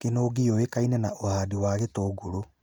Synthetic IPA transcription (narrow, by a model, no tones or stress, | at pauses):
kenoːɡeowekainɛnaʔohaːdiwaːɣetoːɡoɾo